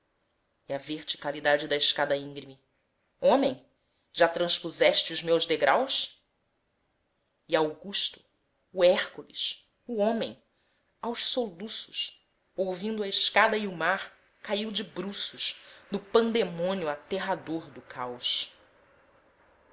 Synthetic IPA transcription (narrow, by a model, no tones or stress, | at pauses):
iɐveɾt͡ʃi̥kalid̪ad͡ʒɪd̪ɐɪʃkad̪ɐĩɡɾimi | õmẽj̃ | ʒat̪ɾɐ̃ʃpuzɛʃt͡ʃɪuzmewʒd̪eɡɾʔaws | iawɡuʃt̪ʊ̥ː | ɛχkulḭʃ | uõmẽj̃ | awʃsolusʊ̥ʃ | owvĩnd̪ʊɐɪʃkad̪ɐiumaɾ | kaiwd͡ʒɪbɾusʊʃnʊpɐ̃nd̪emõnjʊat̪eɦad̪oɾd̪ʊkʰawʃ